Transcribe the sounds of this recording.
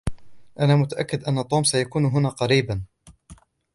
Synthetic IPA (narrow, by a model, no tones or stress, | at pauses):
ʔanaːmʊt̪aʔakːɪd̪ʔanːat̪ˤuːmsajakuːnɦʊnaːqɑɾiːban